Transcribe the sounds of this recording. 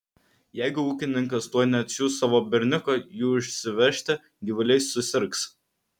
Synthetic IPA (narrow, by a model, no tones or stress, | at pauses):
jɛɪɡʊuːkʲɪnʲɪŋkɐst̪uɔjnʲɛɐt̪ʲsʲuːst̪ːɑːʋoːbʲɪɾʲnʲɪkojuːʊʃʲsʲɪʋʲɛʃʲt̪ʲɪ | ɡʲiʋʊlʲɛɪsːʊsʲɪɾks